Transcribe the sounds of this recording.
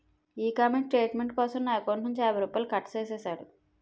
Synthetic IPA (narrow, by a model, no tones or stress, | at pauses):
iːkaːmeɳʈʈɾeːʈmeɳʈkɔːsɐmnaːkonuɲt͡ʃaːbɐɾupːɐlkɐʈt͡ʃeːseːsaːɽu